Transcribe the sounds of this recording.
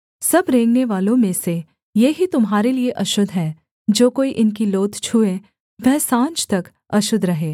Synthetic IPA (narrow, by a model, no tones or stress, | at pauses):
sɐbɾẽːŋɡneʋaːlõmẽse | jeɦit̪ʊmɦaːɾelieʔɐʃʊd̪ʱɦɛː | d͡ʒoːkoːiʔɪnkiloːt̪t͡ʃʰuẽ | ʋɛɦsãːt͡ʃt̪ɐk | ɐʃʊd̪ʱɾɐɦeː